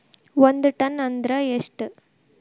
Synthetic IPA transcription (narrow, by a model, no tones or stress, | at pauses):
ʋɐnd̪ɯʈɐnɐnd̪ɾɐeʂʈɨ